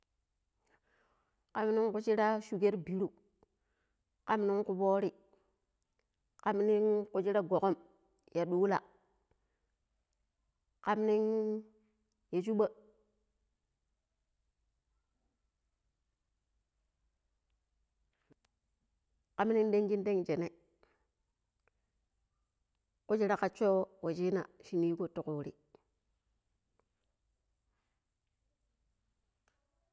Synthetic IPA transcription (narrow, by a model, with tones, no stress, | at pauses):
ka˨mni˦ŋku˨˦t͡ʃi˦ɾa˦ʃu˨ɡe˦ɾbi˨ɾu˦ | ka˦m˦ni˦ŋku˨boː˦ɾi˦ | ka˦mni˦ŋku˨˦t͡ʃi˦ɾa˦ɡo˨ko˦m | ja˨ɗu˦la̰˨ | ka˨˦mni˦ŋ | je˨t͡ʃu˦ɓa˦ | ka˦mni˦ŋ˦de˦ŋɡi˦nde˦ŋ˨d͡ʒe˨ne˦ | ku˦d͡ʒi˦ɾa˦ka˨t͡ʃo˦wa˨d͡ʒi˦na̰˨ʃi˦ni˦ko˦˨tu˦˨ku˨ɾi˦